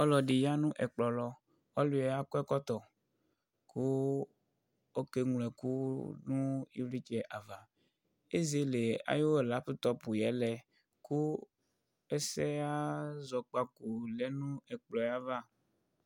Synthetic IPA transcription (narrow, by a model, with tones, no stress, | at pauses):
ɔ˦lɔ˨ɖi˨ja˦nũ˦ʔɛ˨k͡plɔ˨lɔ˦ | ɔ˦lu˨˦ɛ˨˦a˦ku˦ɛ˦kɔ˦t̪ɔ˨ | kʰu˦ | o˦ke˦ŋl̃ɛ˨ku˦nũ˦ḭ˦vli˦t͡ʃɛ˨ʔa˨va˨ | e˦ze˦le˨a̰˦jo˦e˨la˨˦ɸu˦t̪ɔ˦pu˨jɛ˨˦lɛ˨ | ku˦ | e˦sɛ˦a˦zɔ˨k͡pa˦ku˨lɛ˦nũ˦ɛ˨k͡plɔ˨ja˦va˦˨